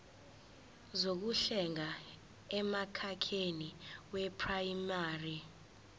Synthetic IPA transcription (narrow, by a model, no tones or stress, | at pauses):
zok̬uɬɛŋa | ɛmakʰakʰeniwɛpʰrajmaːri